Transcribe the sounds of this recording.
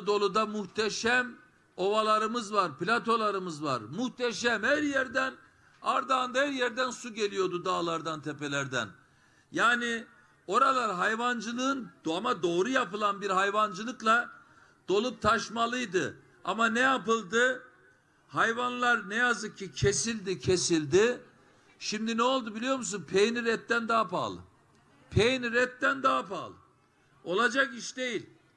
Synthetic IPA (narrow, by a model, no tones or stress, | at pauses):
d̪o̞lˠud̪amuht̪ʰeʃæm | o̞valˠaɾɯmɯzvaɾplʲat̪ʰo̞lˠaɾɯmɯzva̰ɾmuht̪ʰeʃæmhæɾjæɾd̪æn | aɾd̪aːnd̪ahæɾjæɾd̪ænsuɟe̞lʲijo̞d̪ud̪aːlˠaɾd̪ant̪ʰepe̞lʲæɾd̪æ̰n | jaːni | o̞ɾalˠaɾɦajvand͡ʒɯlˠɯːnamad̪o̞ːɾujapɯlˠanbiɾɦajvand͡ʒɯlˠɯklˠa | d̪̥o̞lˠup̚t̪ʰaʃmalˠɯjd̪ɯ | a̰manejapɯlˠd̪ɯ | hajvanlˠaɾnejazɯk̚cʰːicʰesilʲd̪icʰesilʲd̪ɪ | ʃimd̪inɛo̞lˠd̪ubilʲijo̞ɾmus̬unpʰejniɾɛt̪ːænd̪aːapa̰lˠɯ̰ | pʰejniɾɛt̪ːænd̪aapa̰ːlˠɯ̰ | o̞lˠad͡ʒakiʃd̪e̞jilʲ